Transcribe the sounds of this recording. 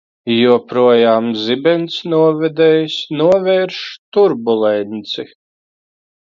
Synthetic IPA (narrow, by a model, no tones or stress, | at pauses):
juɔpɾuɔjaːmzibɛnt̪snuɔvɛd̪ɛːjsnuɔvɛːɾʃt̪uɾbulˠɛnʲt̪si